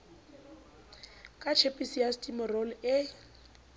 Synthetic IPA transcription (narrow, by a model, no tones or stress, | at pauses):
kʼat͡ʃʰepʼisiastʼimɔrɔlɪ